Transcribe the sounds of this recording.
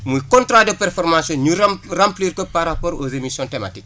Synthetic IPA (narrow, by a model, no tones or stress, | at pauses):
mujkõntɾadopɛrfɔɾmasjõɲuɾrãmpliːɾkopaɾapoːɾozemisjõntema̰tik